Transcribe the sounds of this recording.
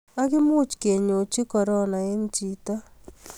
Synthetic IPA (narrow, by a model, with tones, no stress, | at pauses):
a˦kɪ˦mʊ˦t͡ʃke˨ɲo˨t͡ʃi˦kɔ˨ɾɔ˦na˨ɪ˦nt͡ʃi˨ta˦